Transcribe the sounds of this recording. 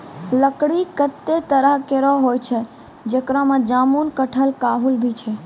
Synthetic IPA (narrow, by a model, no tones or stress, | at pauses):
ləkɽikət̪ːet̪əɾaɦkeɾɔɦojt͡ʃʰe | d͡ʒəkɾamãd͡ʒamunkəʈʰəlkaɦulbʱit͡ʃʰe